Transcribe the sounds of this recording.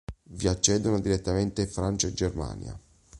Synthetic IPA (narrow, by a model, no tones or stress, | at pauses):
viat͡ʃːɛːd̪onod̪iɾet̪ːament̪eiɱfɾant͡ʃaed͡ʒːerma̰ːnj̰a̰